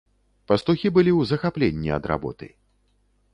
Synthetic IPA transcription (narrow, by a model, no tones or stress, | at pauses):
pɐst̪uxʲibɨlʲiwzɐxaplʲenʲːiɐ̰d̪ɾa̰bɔ̰t̪ɨ̰j